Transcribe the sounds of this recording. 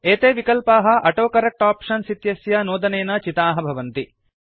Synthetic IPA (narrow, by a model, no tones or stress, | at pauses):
eːt̪eːʋikɐlpaːɦɐ̆ʔɐʈoːkɐɾɐk̚ʈaːpʂɐnsit̪jɐsjɐnoːd̪ɐneːnɐt͡ʃit̪aːɦɐbʱɐʋɐnt̪i